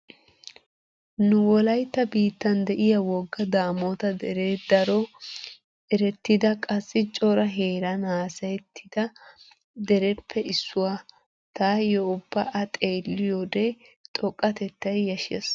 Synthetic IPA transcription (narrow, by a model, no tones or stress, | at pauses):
nʊwɔlɐjt̪ːɐbiːt̪ːɐnd̪ɛʔɪjɐwɔɡːɐd̪aːmot̪ɐd̪ɛɾeːd̪ɐɾɔ | ʔɛɾɛt̪ːɪd̪ɐkʼɐsːɪt͡ʃʼɔɾɐɦeːɾɐnaːsɐjt̪ːɪd̪̥ɐ | d̪ɛɾɛpʰːɛʔɪsːʊwa | t̪aːjɔʊbːɐʔɐt̪ʼe̞ːlːɪjod̪ejt̪ʼɔkʼːɐt̪ɛt̪ːɐjjɐʃɐs